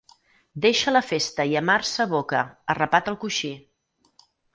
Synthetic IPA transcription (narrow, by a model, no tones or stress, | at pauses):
d̪eʃələfest̪əiəmarsəβokəərəpat̪əlˠkuʃi